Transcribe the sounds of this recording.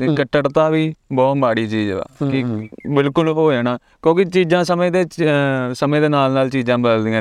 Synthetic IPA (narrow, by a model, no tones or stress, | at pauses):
t̪eːkəʈːəɽt̪aːʋiːbɔːt̪baːɽiːt͡ʃiːd͡ʒa̰ːkɪbɪlkʊloːɛːnaː | kjõːkɪt͡ʃiːd͡ʒãːsəmẽːd̪eːsəmẽːd̪eːnaːlnaːlt͡ʃiːd͡ʒãːbəd̪əld̪ijãː